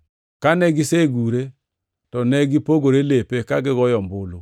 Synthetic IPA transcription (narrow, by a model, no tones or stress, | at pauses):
kanɛɡiseɡuɾe | tɔnɛɡipoɡoɾelepekaɡɪɣɔjɔmbolo